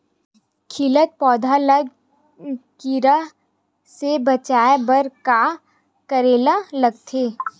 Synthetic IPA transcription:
kʰɪlət̪̚pɔːd̪ʱaləɡ | kiɾəɦ | sebɐt͡ʃaːebəɾka | kəɾeːlalɐɡ̚t̪ʰeː

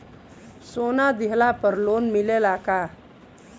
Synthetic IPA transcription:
sonad̪iɦlapəɾlonmilelaka

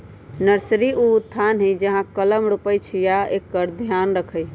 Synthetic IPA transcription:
nəɾsɾiuut̪ʰːanɦəjd͡ʒəɦãkələmɾupəjt͡ʃʰijaekːəɾd̪ʱjanɾəkʰəj

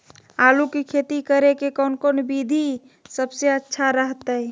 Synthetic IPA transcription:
alukikʰet̪ikəɾekekəʊnkonbid̪ʱi | səbseətːʃʰaɾəɦt̪əɛ

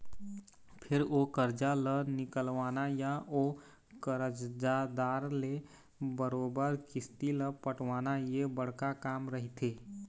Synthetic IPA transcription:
pʰɪɾokəɾd͡ʒalənɪkəlʋaːnajaʔo | kəɾəd͡ʒd͡ʒad̪aːɾle | bəɾoːbəɾkɪst̪iləpəʈʰʋaːnajebəɽ̤kakaːmɾəɦit̪ʰeː

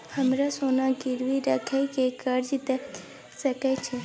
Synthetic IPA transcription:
həmɾasonaɡiɾʋiɾəkʰajkekəɾd͡ʒit̪e | səket͡ʃʰe

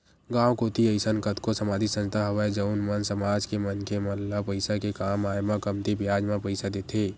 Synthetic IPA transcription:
ɡãːwkoːt̪iəɪsənkət̪kosəmaːd̪ʱisə̃nd͡ʒt̪aɦəʋaed͡ʒəʊnmənsəmaːd͡ʒkemənkʰeməllːapəɪsakekaːmaːjmãkəmt̪ibjaːd͡ʒmãpəɪsad̪eːt̪ʰeː

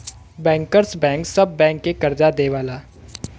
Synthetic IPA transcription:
bɛ̃ːŋkəɾsbɛ̃ːŋksɐbːɛ̃ːŋkːekɐɾd͡ʒad̪eʋaːlaː

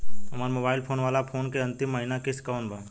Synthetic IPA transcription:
ɦɐmaːɾmoːbaːɪlpʰoːnʋaːlapʰoːnkeɐ̃nt̪ɪmːɐɦinakɪskaːʊɳʈbʱaː

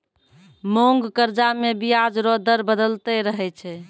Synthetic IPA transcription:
moŋɡkəɾd͡ʒamebijad͡ʒɾɔd̪əɾbəd̪əlt̪ɛɾəɦɛt͡ʃʰɛ

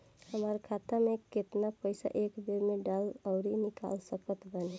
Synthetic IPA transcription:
həmaɾkʰat̪ameket̪napəɪsa̰ʔekb̪eɾmeɖaləʊɾinɪka̰lsəkət̪bəne

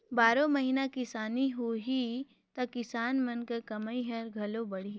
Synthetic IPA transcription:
baːɾõmɐɦiːnakɪsaːniɦoɦi | t̪ɐkɪsaːnmɐnkɐɾkɐmaiɦɐɾɡʱɐlõbɐɽi

